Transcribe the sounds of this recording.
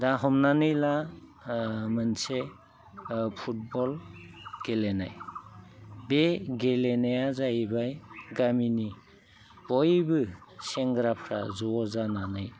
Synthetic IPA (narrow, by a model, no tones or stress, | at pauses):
daɦɔmnanɯjla | mɯnse | pʰut̚bɔlɡ̥elena̰j | beɡelenajazajbajɡamini | b̥ɔjbɯ | seŋɡɾapʰɾazɔɔzananɯj